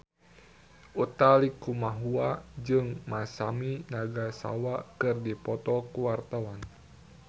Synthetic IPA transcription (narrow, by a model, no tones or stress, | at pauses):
ʔut̪alikumaɦuad͡ʒɨŋmasaminaɡasa̰wakɨrdipɔt̪ɔkuwart̪awan